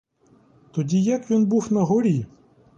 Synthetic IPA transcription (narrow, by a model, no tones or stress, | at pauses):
t̪ɔdʲijɐkʋʲinbuwnɐɦɔɾʲi